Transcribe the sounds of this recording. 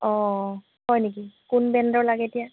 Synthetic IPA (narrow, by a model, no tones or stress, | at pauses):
ɔ | hɔjnik̬ikunbɛndɔɹlaɡɛtija